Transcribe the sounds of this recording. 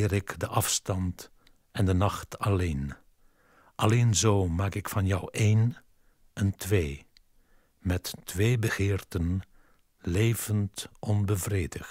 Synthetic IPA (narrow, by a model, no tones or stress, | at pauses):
ɪːɾɪkdəʔɑfstɑnt | ɛndənɑxtɑleːn | ʔɑleːnzoːmaːkɪkfɑnjʌwʔeːn | əntʋeː | mɛtːʋeːbəɣɪːrtən | leːvəntʔɔnbəvreːdəxt